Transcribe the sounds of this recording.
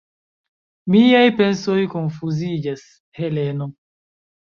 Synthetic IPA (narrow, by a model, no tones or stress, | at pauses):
miajpensojkonfuzid͡ʒas | heleno